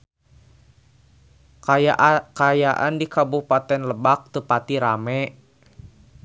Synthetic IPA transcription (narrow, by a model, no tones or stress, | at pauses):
kajaʔa̰ndikabuhpat̪ɛnləbak̚t̪upat̪iɾamɛ